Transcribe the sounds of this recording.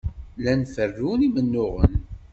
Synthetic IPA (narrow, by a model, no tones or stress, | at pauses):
lænfərːunimənːʊʁə̰n